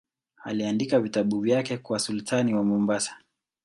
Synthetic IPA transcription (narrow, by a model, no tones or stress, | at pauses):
aliandikavitaɓuvjakɛkuwasultʰaniwamumbasḁ